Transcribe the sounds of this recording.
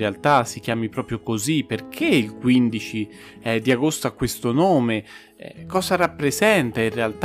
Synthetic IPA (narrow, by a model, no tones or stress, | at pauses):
ealt̪asik̟jaːmipɾɔːpɾjokoziperk̟ʰeilkwind̪it͡ʃi | ɛd̪iaɡost̪oakːwest̪onoːme | ɛ̰kɔːzaɾapːɾezɛnt̪ainrealt̪